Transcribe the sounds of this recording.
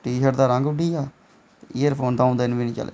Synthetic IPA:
ʈiːʃəɾd̪aːɾə̃ŋɡʊɖiːɛː | iːəɾpʰoːnd̪aːũnd̪aɪnʋiːnĩːt͡ʃə̰lḛː

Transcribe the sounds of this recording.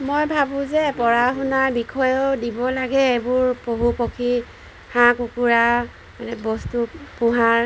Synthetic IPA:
mojbʱabʊ̃zɛpɔɹaɦunaɹbikʰɔjɔdibɔlaɡɛebʊɹpoɦupokʰi | hãkukuɹa | anɛbɔstupuɦaɹ

